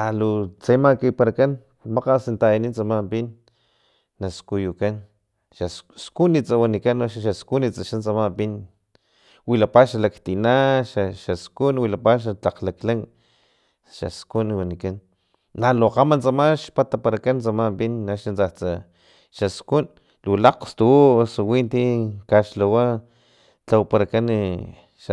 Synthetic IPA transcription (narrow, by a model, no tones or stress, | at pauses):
alot͡semakipaɾakan | maqasint̪ainint͡samambinː | askujukan | ʃasskunit͡sawanikanoʃʃaskunit͡saʃant͡samambin | wilapaʃalakt̪inaʃaʃaskunwilapaʃ̬at͡ɬaqlaklaŋ | ʃa̰skunwanikanː | aloqamant͡samaʃpat̪apaɾakant͡samapinːaʃant͡sat͡sa | ʃaskun | lulaqst̪usuwint̪ikaʃlawa | t͡ɬawpaɾakan | ʃa